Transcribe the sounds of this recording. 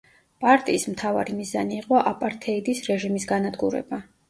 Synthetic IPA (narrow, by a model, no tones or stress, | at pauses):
pʼaɾt̪ʼiːsmt̪ʰava̰ɾimizaniːqʼɔʔapʼaɾt̪ʰɛid̪isɾɛʒimisɡanad̪ɡuɾɛ̰ba